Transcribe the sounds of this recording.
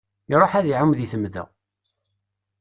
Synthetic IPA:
iɾˤoħæðiʕəmðiθəmðə̰

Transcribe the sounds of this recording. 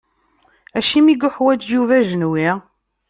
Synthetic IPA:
æʃimiɡʊħwæd͡ʒjuvæʒənwi

